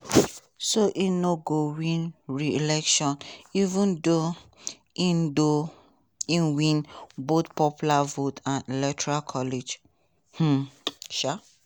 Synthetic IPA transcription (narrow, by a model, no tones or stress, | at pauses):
soʔĩnoɡowĩnɹiilɛkʃɔ̃nivũndo | ĩndo | ĩnwĩnbot̪pɔpjulavotʰãnilɛtʰɔɹalkʰɔled͡ʒ | h̩ʃa